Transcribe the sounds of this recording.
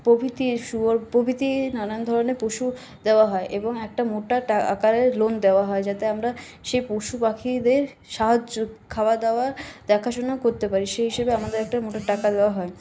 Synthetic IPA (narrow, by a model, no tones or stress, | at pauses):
pobʱit̪iʃuɾpobʱit̪inanand̪ʱɔɾonepoʃu | d̪eoaɦɔeʔeboŋɛk̚ʈamoʈaʈaa̰kaɾeɾlond̪eoaɦɔed͡ʑat̪eamɾa | ʃejpoʃupakʰid̪eɾ | ʃaɦad͡ʑokʰawad̪aoaɾd̪ɛkʰaʃonakoɾt̪epaɾiʃeɦiʃebeamad̪eɾɛk̚ʈaɾmoʈaʈakad̪eoaɦɔe